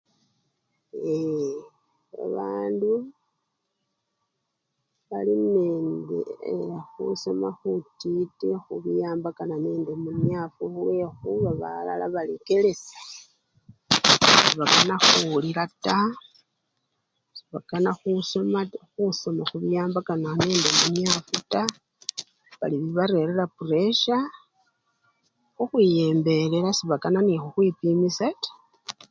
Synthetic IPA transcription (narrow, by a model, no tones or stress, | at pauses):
e | a̰βaːndu | βalineːndḛxṵso̞maxutitexuβijaːmbakananeːndemuɲafuulwe̞xuβaβa̰la̰la̰βalḛke̞le̞sḁ | siβakanaxuliɾata | siβakanaxusmaxusomaxuβijaːmbakananeːndemunjafuta | βa̰liβiβaɾe̞ɾelapure̞ʃa | xuxwije̞ːmbe̞leɾasiβakananixuxwipimisatḁ